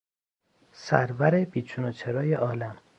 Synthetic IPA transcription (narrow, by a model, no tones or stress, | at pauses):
sæɾvæɾebiːt͡ʃʰunot͡ʃʰeɾɒːjeʔɒːlæm